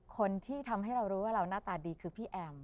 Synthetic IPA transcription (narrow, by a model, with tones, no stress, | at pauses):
kʰo˧nt̪ʰiː˥˩t̪ʰa˧mɦa˥˩jɾa˧wɾuː˦˥waː˥˩ɾa˧wnaː˥˩t̪aː˧diː˧kʰɯː˧pʰiː˥˩ʔɛː˧m